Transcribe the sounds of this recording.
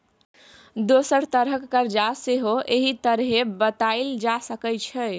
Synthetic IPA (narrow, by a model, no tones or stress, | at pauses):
d̪osəɾt̪əɾɦəkːəɾd͡ʒaseɦoʔeɦit̪əɾɦebət̪aɪld͡ʒasəkət͡ʃʰɛ